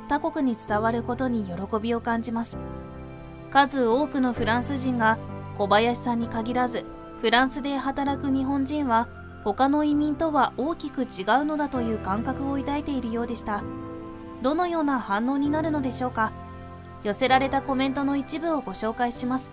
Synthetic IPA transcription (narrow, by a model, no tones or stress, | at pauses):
t̪ako̞kɯ̟ɲ̟it͡sɨ̥t̪aβaɾɯ̟ko̞t̪o̞ɲ̟ijo̞ɾo̞ko̞bʲio̞kãɲ̟d͡ʑimasɨ̥ | kazɨo̞ːkɯ̟no̞ɸɯ̟ɾãɰ̃sɨʑĩŋɡako̞bajaɕi̥sãɲ̟ːikaɡʲiɾazɨ | ɸɯ̟ɾãɰ̃sɨd̪e̞hat̪aɾakɯ̟ɲ̟iɦõ̞ɲd͡ʑĩɰ̃βa | ho̞kano̞imʲĩnt̪o̞βaʔo̞ːkʲikɯ̟t͡ɕiɡaɯ̟no̞d̪at̪o̞jɯ̟ːkãŋkakɯ̟o̞it̪ait̪e̞iɾɯ̟jo̞ːd̪e̞ɕi̥t̪a | d̪o̞no̞jo̞ːnahãnːo̞ːɲ̟inaɾɯ̟no̞d̪e̞ɕo̞ːka | jo̞se̞ɾaɾe̞t̪ako̞mẽ̞nt̪o̞no̞it͡ɕibɯ̟o̞ɡo̞ɕo̞ːkaiɕimasɨ̥